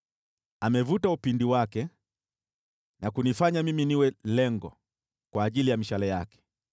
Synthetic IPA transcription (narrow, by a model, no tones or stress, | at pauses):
amɛvutaupindiwakɛ | nakunifaɲamiminiwɛlɛŋɡɔ̰ | kwaːʄilijamiʃalɛjakɛ̥